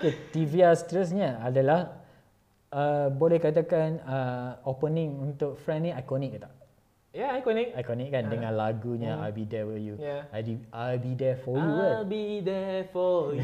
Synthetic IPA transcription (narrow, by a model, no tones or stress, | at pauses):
ket̪iviast̪ɾəs̬ɲəadəlah | əbolɛhkat̪akãnəopənĩŋunt̪ʊk̚fɾɛ̃nnĩajkɔnɛk̚t̪aʔ | jaajkɔnikajkɔnɛk̚kandəŋãnlaɡuɲəa̰lbidɛwijujaajbiajlbidɛfɔjuwalbidɛfɔ